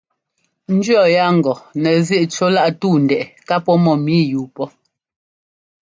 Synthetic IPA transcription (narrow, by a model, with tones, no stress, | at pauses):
n̩˦d͡ʒɰɔ˦˨ja˦˨ŋ̩˨ɡɔ˨nɛ˨zji˦ʔt͡ʃo˦la˦ʔtuː˦˨n̩˨dɛ˨ʔɛ˨ka˦pɔ˦mɔ˨mi˦juː˨pɔ˦